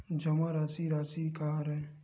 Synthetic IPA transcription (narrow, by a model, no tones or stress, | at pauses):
d͡ʒɐmaɾaːsiɾaːsikaɾɐẽ